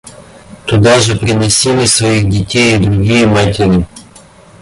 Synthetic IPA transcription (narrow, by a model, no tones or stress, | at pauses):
t̪ʊd̪ɑʒɛpɾɪnesʲimɪsʋɔjixdʲitʲɛjid̪ɾʊɦijimɑtʲɪɾʲi